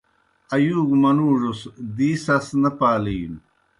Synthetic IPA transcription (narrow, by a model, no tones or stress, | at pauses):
ɐjuːɡmɐnuːʐusd̪iːsɐsnɐpaːlin